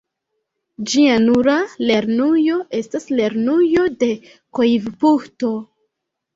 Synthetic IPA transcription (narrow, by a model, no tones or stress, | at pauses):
d͡ʒianuɾale̞ɾnujo̞ʔe̞stasle̞ɾnujo̞de̞ | kojvpukto̞